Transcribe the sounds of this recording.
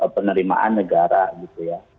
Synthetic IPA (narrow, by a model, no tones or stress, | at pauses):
əpənəɾima̰ʔanːəɡaɾaɡit̪uja